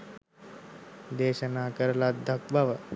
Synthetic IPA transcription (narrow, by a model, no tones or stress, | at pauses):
d̪eːɕənakəɾlat̪̚d̪ʱək̚bʱaʋə